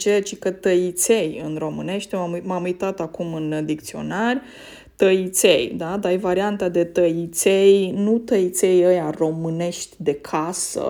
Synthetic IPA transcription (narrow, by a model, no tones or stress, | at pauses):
t͡ʃet͡ʃikət̪əit̪sejɨnro̞mɨne̞ʃt̪ʲmamumamujt̪at̪akumɨnd̪ik̚t̪sio̞̰narʲ | t̪əit̪sejd̪ad̪ajvaɾiant̪ad̪e̞t̪əit̪sejnut̪əit̪sejəjaro̞mɨne̞ʃt̪ʲd̪e̞kʰasə̰